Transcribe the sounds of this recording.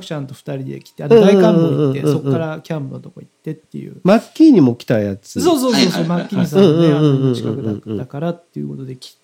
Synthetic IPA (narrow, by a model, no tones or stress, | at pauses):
kɯ̟̥t͡ɕãnt̪o̞ɸɯ̟̥t̪aɾʲid̪e̞̰kʲi̥t̪eadɯ̃ːd̪aikãɯ̃ːiɯ̃ːeɯso̞kɯ̃ːaɾakʲãmpɯ̟not̪o̞koit̪ːe̞t̪ːe̞̰jɯ̰makʲːiɲ̟imo̞kʲi̥t̪aijat͡sɨsoːso̞ːsoːsomakʲːiaɲisaɯ̃ːɯ̃ẽːaɯ̃ɯõːikãɴkɯ̟ɯ̃ɴkɯɯ̃d̪akaɾat̪ːejɯ̟ko̞t̪o̞d̪e̞kʲi̥